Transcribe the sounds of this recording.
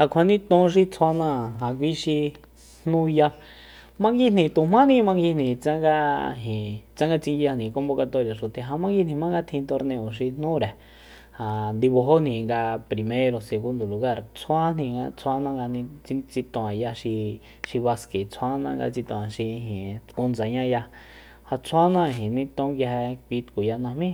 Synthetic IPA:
ha˨kʷʰa˧˨nĩ˦t̪õ˧˦ʃ̬i˧t͡sʰa˧nã˦˨ɦã˨kʷi˦ʃi˧ | n̥nũ˦ja˧ | mã˧ŋɡi˧n̥ĩ˨t̪u˨mã˦nĩ˦˧mã˧ŋɡi˧nĩ˨t͡sã˦ŋɡa˧ɦĩ˨t͡sã˦ŋɡa˧t͡sĩ˧ŋɡi˧ja˧nĩ˨ko˧˦mbo˧ka˧t̪o˧˨ja˨ʃu˨t̪e˨ɦã˧mã˦ŋɡi˧˦nĩ˨mã˦ŋɡa˧t̪ʰĩ˧t̪o˧ɾnẽ˧õ˨ʃ̬i˧n̥nũ˦ɾe˨ | ha˨nd̪i˧βo˧ɦo˦n̥ĩ˨ŋɡa˧pɾi˨mẽ˦ɾo˧se˨ɣu˦nd̪o˨lu˨ɣa˦˨ɾt͡sʰwa˦n̥ĩ˧˨ŋɡa̰˧t͡sʰa˦nã˦ŋɡa˧nĩ˧t͡si˧t͡si˧t̪õ˨ã˨ja˧ʃi˧ | ʃi˧βa˧ske˨t͡sʰwa˦nã̰˦ŋɡa̰˧t͡si˧t̪õ˧˨a˨ʃi˧ɦĩ˨ku˧nd͡za˨ɲã˦ja˧ | ha˧t͡sʰa˦nã˦˧˨ɦĩ˨nĩ˧t̪õ˦ŋɡa˧ɦe˧kʷi˧t̪ku˨ja˧nã˧mĩ˦

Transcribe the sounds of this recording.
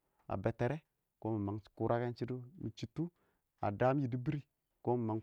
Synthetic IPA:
a̰˨be˨te˨ɾe˦ | ko˦mi˨ma˨ŋ˨ku˦ɾʔa˦ke˦n˦t͡ʃi˦du˦mi˨t͡ʃi˦tu˦ | a̰˨da˦mi˦ji˨di˦bi˦ɾi˦ | ko˦mi˨ma˨ŋ

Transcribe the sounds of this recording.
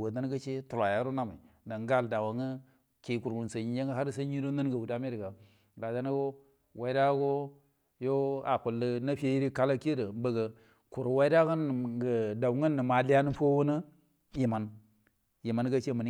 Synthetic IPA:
wo˨na˦n˦ɡə˦t͡ʃe˦tu˨lʷa˨ja˦ɾo˦na˦ma˨da˨nɡa˦lda˨wa˨ŋə˦ | ke˨˦ku˨ɾwu˨n˨sə˨ɲi˨d͡ʒe˦ŋɡə˦ɦa˦ɾsə˦ɲi˦ɾo˦nə˦nɡə˨wu˨da˦mi˦ɾɡa˨ | ɡa˨da˦nə˦ɡo˦ | wa˨i˦da˦ɡo˦ | jo˦a̰˨ku˨lːə˦na˦fi˦e˦ji˦ɾi˦ka˦la˦ki˦də˨˦bə˨ɡə˨ | ku˨ɾwa˦i˦da˦ɡə˦n˨ɡə˨da˨wŋə˦nːə˨ma˨li˦ja˦nə˦fo˦wo˦nə˦ | ji˨ma˨n | ji˨ma˨nɡə˦t͡ʃe˦mə˨ni˦

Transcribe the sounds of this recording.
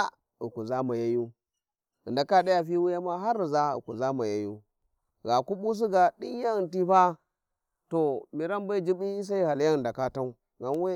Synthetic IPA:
u˨ku˨za˦ma˨ja˦ju˦ | ɨ̰˨nda˨ka˦ɗa˦ja˨fi˦wu˦ja˦ma˦ɦa˦ɾi˨za˦ṵ˨ku˨za˦ma˨ja˦ju˦ | ɡa˨ku˦ɓu˦s̬i˦ɡa˨ɗi˦n˦ja˦˨nti˦ba˦ | to˨mi˨ɾa˦mba˦d͡ʒi˦bi˦s̬a˦i˦ha˨lja˦ɨ˨da˨ka˦ta˦u˦ | ɡa˨n˦we˦

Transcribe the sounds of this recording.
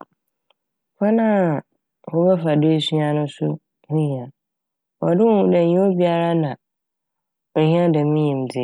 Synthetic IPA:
kʰa˦nã˦˨ | wɔ˦bɛ˦fa˨de˦e˦su˦a˨nʊ̃˦sʊ˦ | hũ˦ɲĩ˨a˨ | wɔ̰˨dɪ˦wũ˨dɛ˨ɲĩ˦o˦bi˨a˦˨ɾa˦nã˨ | ɦĩ˦ã˦dɛ˨mĩ˦ɲĩ˨m˨d͡zɪ˨

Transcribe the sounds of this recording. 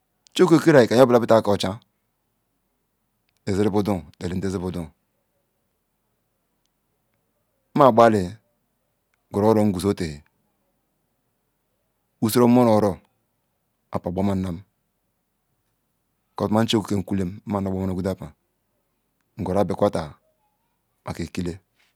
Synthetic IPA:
t͡ʃo˦ke˦ke˦ɾa˨i˨ka˨˦bla˨˦bi˦ta˦ka˨o˨t͡ʃa˦ | e˨ze˦ɾi˦bu˦du˦ŋ˨de˨li˨n̩˨˦e˦zi˦bu˨du˦˨˦ | ma˦˨ɡ͡ba˦li˨ | ɡu˨ɾo˦ɾo˦ŋ̩˦ɡu˨zo˦te˨he˨ | u˦˨si˦ɾo˦mo˦no˨˦ɾo˦ | a˨pa˨bo˦ma˦na˦m˦˨ | ko˨tma˦n̩˦t͡ʃe˦ku˨ke˦˨ŋ̩˨ku˦le˦m̩˦ma˨no˨bo˦ma˦no˨ɡu˦da˦pa˨ | ŋ̩˨ɡo˨ɾa˦be˨kʷa˦ta˨ | ma˨ke˨ki˦le˦

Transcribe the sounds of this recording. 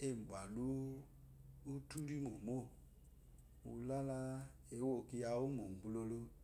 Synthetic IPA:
e˦˨ba˨lu˦ | u˦tu˦ɾi˦ŋo˨mo˦˨ | ṵ˨la˦la˦ | e˨˦wo˦˨ki˧ja˨u˦mo˨ɡ͡bu˦lo˧lo˦

